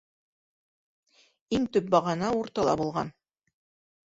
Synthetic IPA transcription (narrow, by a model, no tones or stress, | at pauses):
iŋt̪ɵp̚bɑʁɑnɑuɾt̪ɑlˠɑ̰bulˠʁɑ̰n